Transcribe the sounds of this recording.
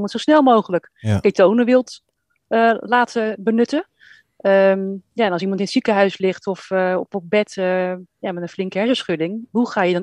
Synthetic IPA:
mɑntsowsnɛlˠmowχələk | kejtownəʋɪlˠt | əlaːtəbənɵtə | əmjaɛnlˠsimɑntɪnətsikəɦœɥslɪχtɔfɔpɔp̚bɛtəjamɛtənflɪŋkəɦɛɹsəsχɵdɪŋɦuχaːjədɔn

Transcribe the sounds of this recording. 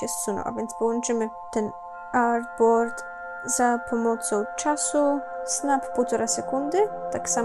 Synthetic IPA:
ɛst̪sunɔ̰ʔa̰vʲjɛnt̪spɔwɔnt͡ʂɘmɪ | t̪ɛn | aɾd̪̚bɔɾt̪ | zapʰɔmɔt̪sɔwt͡ʂasusnappɔwt̪ɔɾasɛkund̪ɪt̪aksa

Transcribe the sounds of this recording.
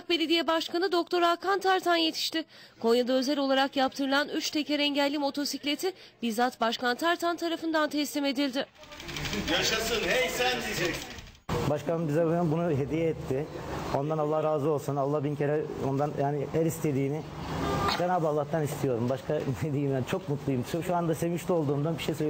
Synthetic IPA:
k̚be̞lʲe̞d̪ijɛbaʃkʰanɯd̪o̞kt̪ʰo̞ɾakʰant̪ʰaɾt̪ʰanje̞t̪ʰi̥ʃt̪ɪkʰo̞ɲjad̪aø̞zɛlʲo̞lˠaɾakjap̚t̪ʰɯɾɯlˠanyt͡ʃt̪ʰe̞cɛɾɛɲɟælʲːimo̞t̪ʰo̞siclʲe̞t̪ʰɪ | biɾzat̪baʃkant̪ʰaɾt̪ʰant̪ʰaɾafɯnd̪ant̪ʰɛslime̞d̪ilʲd̪ɪ | jaʃasɯnɛsænd̪id͡ʒɛkɪ | baʃkamɯmbizabɯnabunuɦed̪ijɛɛt̪ʰːɪo̞nd̪analˠːahɾaːzɯo̞lˠsunalˠːahbincʰeɾɛo̞nd̪anjaːnɪæɾist̪ʰe̞d̪iːnɪ | d͡ʒanaːbalˠːaht̪ʰanist̪ʰijo̞ɾumbaʃkʰad̪ed̪iːmænt͡ʃʰo̞k̚mut̪lˠujumʃoʃuand̪ase̞vmiʃt̪o̞lˠd̪uːnd̪anbiʃejsø

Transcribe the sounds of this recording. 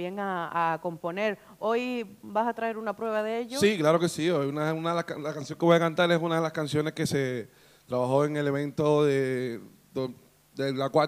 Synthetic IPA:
eŋaːko̞mpo̞ne̞ɾ | o̞jbasat̪ɾae̞ɾunapɾwe̞β̞aðeeʎosiklaɾo̞kesiojunaunaðelaskalakansjo̞ŋkeojakant̪aɾe̞sunaðelaskansjo̞ne̞skese̞ | t̪ɾaβaxo̞e̞ŋe̞le̞β̞ẽ̞nt̪oðe | do | d̪elakwa

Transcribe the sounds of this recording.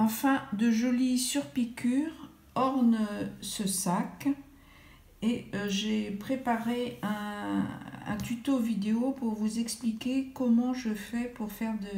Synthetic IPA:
ɑ̃fɛ̃d̪əʒɔlisyʁpikʲyːʁ | ɔʁnsəsak | eʒepχepaʁeɛ̃ | ɛ̰̃t̪yt̪ovid̪eopuʁvuzɛksplikʲekɔmɑ̃ʒəfɛpuʁfɛʁd̪ə

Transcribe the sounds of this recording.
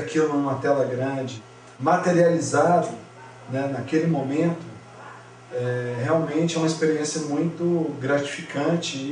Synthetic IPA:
akilʊnũũmɐt̪ɛlɐɡɾɐ̃d͡ʒɪ | mat̪eɾializad̪ʊ | nɛnakelɪmõmẽnt̪ʊ | ɛheawmẽt͡ʃɪɛũmɐispeɾiẽsjɐmũj̃t̪ʊɡɾat͡ʃi̥fikɐ̃t͡ʃɪ

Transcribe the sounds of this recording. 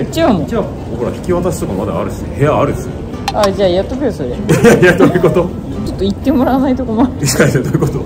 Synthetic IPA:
t͡ɕamot͡ɕa | ohoɾa̰çi̥kʲiβat̪asɨ̥okamad̪a̰ːɾɯ̟d̪esɨnḛhe̞jaːɾɯ̟d̪esɨne | ad͡ʑaːjat̪ːokɯesoɾehjajat̪ojɯkot̪o | t͡ɕot̪ːoit̪ːe̞mo̞ɾaːnait̪o̞ko̞maei̥kaesed̪ojɯkot̪o

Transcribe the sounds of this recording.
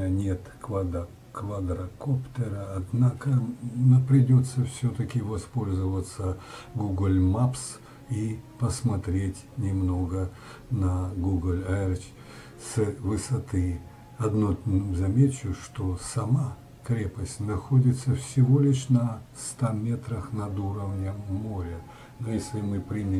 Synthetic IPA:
nʲet̪kvad̪ | kvad̪ɾɐkopt̪əɾəɐd̪nakənapɾʲɪdʲot̪sːəfsʲɵt̪əkʲɪvɐspo̞lʲzɨvət̪səɡuɡlʲmaps | ipəsmɐt̪ɾʲetʲnʲɪmno̞ɡə | nɐɡuɡlʲaɛɾt͡ɕ | səvɨsɐt̪ɨ | ɐd̪nozɐmʲet͡ɕːʊʂt̪osɐma | kɾʲepəsʲtʲnɐxodʲɪt̪səfsʲɪvo̞lʲɪʂnɐst̪amʲe̞t̪ɾəxnɐd̪uɾəvnʲəːo̞ɾʲə | nojesʲlʲɪmɨpɾʲinʲɪ

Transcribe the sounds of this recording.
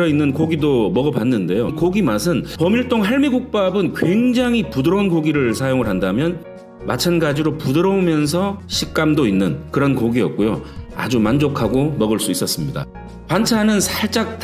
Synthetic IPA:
ʌinːɯnkoɡidomʌɡʌpanːɯnde̞jokoɡimasʰɯnpʌmiɭt͈oŋɦaɭmiɡuk̚p͈abɯnkwe̞ŋd͡ʑaŋɦipudɯɾʌonkoɡiɾɯɭsʰajoŋɯɭɦandamjʌn | mat͡ɕʰanɡad͡ʑiɾopudɯɾʌomjʌns̬ʰʌɕʰik̚k͈amdoinːɯnkɯɾʌnkoɡiʌk̚k͈ojoa̰d͡ʑumand͡ʑokʰaɡomʌɡɯɭs͈uis͈ʌs͈ɯmɲida̰ | kwant͡ɕʰanɯnsʰat͡ɕ͈ak̚t

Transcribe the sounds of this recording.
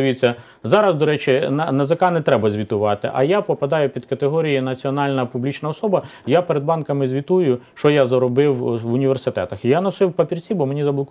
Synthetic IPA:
ʋʲit͡sʲːɐ | zɑɾɐzd̪ɔɾɛt͡ʃɪnnɐzɐkɑnɛt̪ɾɛbɐzʲʋʲit̪ʊʋɑt̪ɪ̰ʔɐ̰japɔpɐd̪ɑjʊpʲid̪̥kɐt̪eɦɔɾʲijinɐt͡sʲiɔnɑlʲnɐpublʲit͡ʃnɐɔsɔbɐjapeɾed̪̚bɑnkɐmɪzʲʋʲit̪ujʊʃt͡ʃɔjazɐɾɔbɪwʋʊnʲiʋʲersɪt̪ɛ̰t̪ɐxijanɐsɪwpɐpʲirt͡sʲibɔmenʲizɐblˠɔk

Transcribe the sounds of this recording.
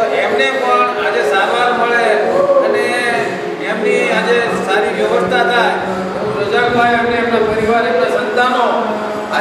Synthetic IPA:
ʔemnepəɳad͡ʒesaɾʋaɾməɭeəneː | mniad͡ʒe | saɾiʋjəʋəst̪ʰat̪ʰaj̪ | ɾəd͡ʒakmãemneːmnapəɾiʋaɾemnasənt̪ano | a

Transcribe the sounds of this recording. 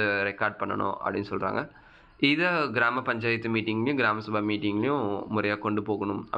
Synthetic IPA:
ɾɛkaːɾɖ̚pɐɳːɐ̰ɳõ̰ːʔɐ̰pɽɪnːɯsɔlɾa̰ːŋɡɐ | ɪðɐɡɪɾaːmɐpɐɲd͡ʒaːjɪt̪ːɯmiːʈːɪŋɡɐlɪjʊ̃ɡɪɾaːmɐsʊbʱaːmiːʈːɪŋɡɐlɐjʊ̃mʊɾɐjaːkɔɳɖɯpoːɣɐɳʊmɐ̰

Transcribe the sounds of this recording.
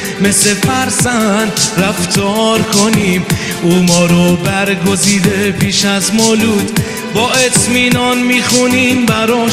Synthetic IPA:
me̞sle̞fæɾsænd̪ɾæft̪ʰoɾkʰoniːm | uːmɒːɾɔbæɾɡo̞ziːd̪e̞pʰiːʃæzmoluːd̪̥ | bɒːe̞t̪ʰmiːnɒnmiːxuniːmbæɾɔ

